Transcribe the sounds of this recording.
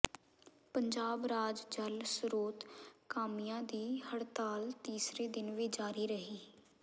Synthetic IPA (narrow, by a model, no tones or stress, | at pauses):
pəɲd͡ʒaːbɾaːd͡ʒd͡ʒəlsɾoːt̪kaːmijãːd̪iːhəɽt̪aːlt̪iːsɾeːd̪ɪnʋid͡ʒaːɾiːɾəɦiː